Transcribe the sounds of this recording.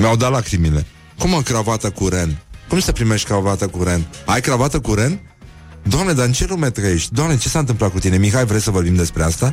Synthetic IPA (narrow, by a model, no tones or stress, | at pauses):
meawd̪at̪lakɾimile̞̰ | kuməkɾavat̪əkuɾenkumsəpɾimeʃt̪ʲkɾavat̪əkuɾenajkɾavat̪əkuɾen | d̪oamne̞d̪aɨnt͡ʃe̞lumet̪ɾəeʃt̪ʲd̪oamnet͡ʃe̞saɨnt̪ɨmplat̪kut̪ine̞mixajvɾejsəvo̞rbimd̪e̞spɾeast̪a